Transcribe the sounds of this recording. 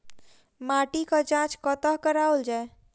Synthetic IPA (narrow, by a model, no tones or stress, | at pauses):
maʈikət͡ʃãt͡ʃkət̪əɦkəɾaold͡ʒae